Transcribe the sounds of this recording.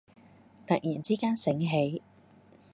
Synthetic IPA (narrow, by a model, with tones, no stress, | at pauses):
t̪ɐ˨k̚jiː˨˩nt͡siː˥kaː˥nsɪ˨˥ŋɦe˨˥j